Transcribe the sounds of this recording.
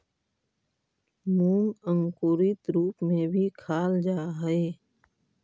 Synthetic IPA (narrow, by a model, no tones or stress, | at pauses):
mũːŋə̃ŋkuːɾit̪ɾuːpmẽbʱikʰaːld͡ʒaːɦɛeː